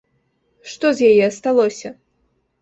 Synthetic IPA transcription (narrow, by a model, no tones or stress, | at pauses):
ʂt̪ɔzjajɛɐst̪alˠɔsʲɐ